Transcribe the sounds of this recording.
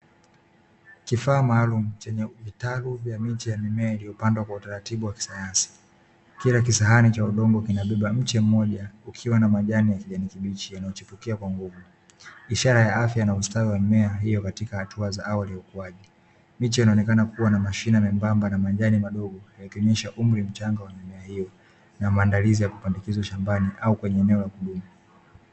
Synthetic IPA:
kifaːmaːlum̩t͡ʃɛɲɛvitaluvjamitijamimɛailiɔpandwakwautaɾatiɓuwaki̥sajansi̥ | kiɾakisaɦanit͡ʃauɗɔŋɡɔkinaɓɛɓam̩t͡ʃɛm̩mɔʄaukʰiwanamaʄanijakiʄanikiɓit͡ʃijanajɔt͡ʃifukiakwaŋɡuvu | iʃaɾajaafjanaustawiwamɛaɦijɔkatikahatʰuazaʔawalijaukuaʄi | mit͡ʃijanaɔnɛkanakuwanamaʃinamɛmbambanamaʄanimaɗɔɡɔjaɛkɛmɛʃaʔum̩ɾim̩t͡ʃaŋɡawamamɛahijɔ | namaːndalizijaku̥pandikizaʃambaniʔaukwɛɲɛɛnɛɔlakuɗumu

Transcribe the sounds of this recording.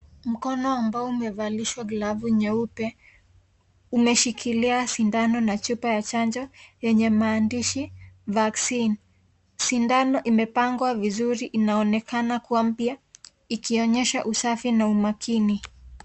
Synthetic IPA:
m̩kɔnɔambaɔumɛvaliʃwaɡlavuɲɛupɛ | umɛʃikʰiliasindanɔnat͡ʃupajat͡ʃand͡ʒɔjɛɲɛmaːndiʃivaksin | sindanɔʔimɛpaŋɡwavizuɾiʔinaɔnɛkanakuam̩pja | ikiɔɲɛʃa̰ʔusafinaumakʰini

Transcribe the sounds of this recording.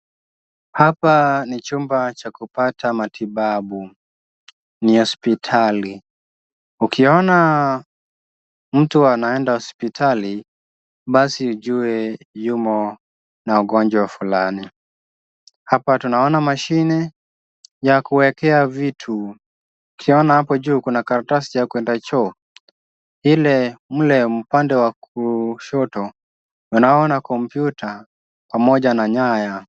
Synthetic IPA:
hapanit͡ʃumbat͡ʃakupatʰamatʰiɓaɓu | nihɔspitʰali | ukʰiɔna | m̩tuanaɛndahɔspitʰali | ɓasiud͡ʒuɛ | jumɔ | nauɡɔɲd͡ʒwaafulani | hapatunaɔnamaʃinɛ | jakuwɛkɛavitʰu | kʰiɔnahapɔd͡ʒuːkunakaɾatasijakwɛndat͡ʃɔ | hilɛm̩lɛm̩pandɛwakuʃɔtɔ | unaɔnakɔm̩pjuta | pamɔʄanaɲaja

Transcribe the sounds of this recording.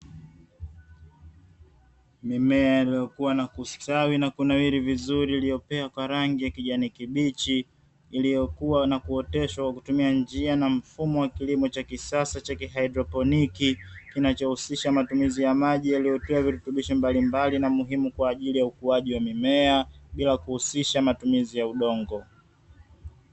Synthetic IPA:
mimɛailijɔkuwanakustawinakunawiɾivizuɾiːlijɔpɛakwaɾaŋɡijakiʄanikiɓit͡ʃiː | lijɔkuwanakuɔtɛʃwakwakutumiand͡ʒianam̩fumɔwakilimɔt͡ʃakisasat͡ʃakiɦaidɾɔpɔnikikinat͡ʃɔhusiʃamatumizijamaʄijalijɔtuaviɾutuɓiʃɔmbalimbalinamuɦimukwaːʄilijaukuaʄiwamimɛaɓilakuhusiʃamatumizijauɗɔŋɡɔ

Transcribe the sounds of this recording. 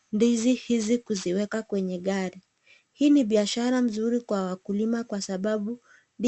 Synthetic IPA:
ndizihizikuziwɛkakwɛɲɛɠaɾi | hiːniɓiaʃaɾam̩zuɾikwawakulimakwasaɓaɓu | nd

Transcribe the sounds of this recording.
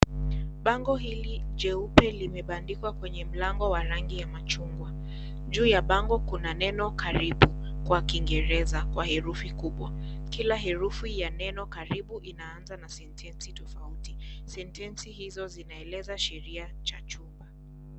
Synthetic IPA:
ɓaŋɡɔɦilid͡ʒɛupɛlimɛɓandikwakwɛɲɛm̩laŋɡɔwaɾaŋɡijamat͡ʃuŋɡwa | d͡ʒuːjaɓaŋɡɔkunanɛnɔkaɾiɓukwakiŋɡɛɾɛzakwahɛɾufikuɓwakilaɦɛɾufijanɛnɔkaɾiɓuʔinaanzanasɛntʰɛnsitɔfautisɛntɛnsihizɔzinaɛlɛzaʃɛɾiat͡ʃat͡ʃumba

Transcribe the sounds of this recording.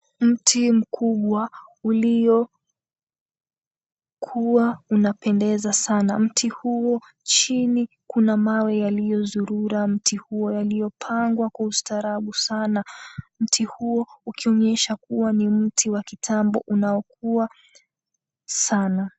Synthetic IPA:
m̩tʰim̩kʰuɓwaulijɔ | kʰuwaunapɛndɛzasanam̩tʰihuɔ | t͡ʃini | kunamawɛjalijɔðuɾuɾam̩tʰihuɔjalijɔpʰaŋɡwakwaustaɾaɓusanam̩tʰihuɔukiɔɲɛʃakuwanim̩tʰiwakitʰambɔ̰ʔunaɔk̚ua | sana

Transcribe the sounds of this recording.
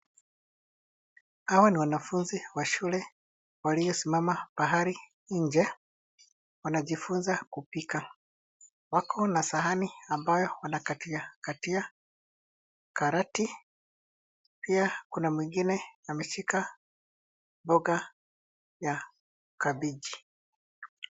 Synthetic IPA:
hawaniwanafunziwaʃulɛ | walijɔsimamab̥aɦaɾi | ɲd͡ʒɛ | wanaʄifunzakupika | wakʰɔnasaɦaniambajɔwanakatiakatia | kaɾati | piakunamwiŋɡinɛamɛʃika | bɔɡa | ja | kabiʄi

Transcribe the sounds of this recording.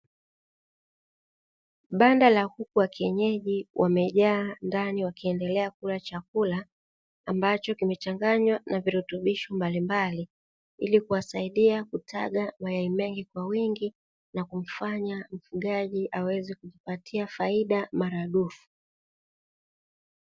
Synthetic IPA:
ɓandalahukuwakiɛɲɛʄiwʔamɛʄaːndaniwakiɛndɛlɛakulat͡ʃakulaː | mbat͡ʃɔkimɛt͡ʃaŋɡaɲwanaviɾutuɓiʃɔmbalimbali | ilikuwasaiɗiakutʰaɠamajaimɛŋɡikwawiŋɡi | nakum̩faɲam̩fuɠaʄiʔawɛzɛkuʄipatʰiafaiɗamaɾaɗufu̥

